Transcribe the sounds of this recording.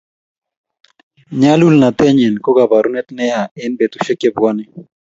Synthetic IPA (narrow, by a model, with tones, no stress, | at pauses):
ɲa˦lu˦lna˨t̪ɛ˦ɲɛ˨nkɔ˦ɡa˨ba˨ɾu˦nɛ˦t̪nɛ˦ja˨ɪ˦nbe˨t̪u̥˨ʃɛ˦ke˦bwa˦nɪ˦